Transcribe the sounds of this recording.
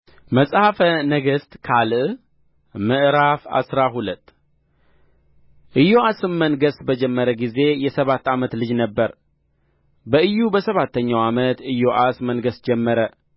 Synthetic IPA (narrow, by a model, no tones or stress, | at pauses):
məsʼhafənəɡəst̪kʰalʔ | mɨʔɾafa̰sɾaɦulət̪ː | ʔɨjoasɨmːənɡəsbəd͡ʒɛmːəɾəɡize̞jɛsəβat̪ːamət̪lɨd͡ʒnəbːəɾ | bəʔɨjːubəsəβat̪ʰːəɲːawamət̪ɨjːoʔasmənɡəsd͡ʒɛmːəɾə